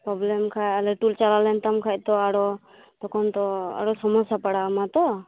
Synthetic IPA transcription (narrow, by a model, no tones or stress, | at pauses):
pɾɔblɛmkʰajalɛʈult͡ʃalalɛnt̪amkʰac̚t̪ɔaɽɔ | t̪ɔkʰɔnt̪ɔa̰ɾɔsɔmɔsapaɽaːmat̪ɔ